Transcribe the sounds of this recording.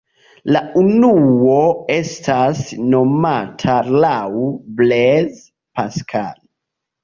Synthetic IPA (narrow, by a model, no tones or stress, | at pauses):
launuoestʰasnomatʰalawblez | paskʰa̰l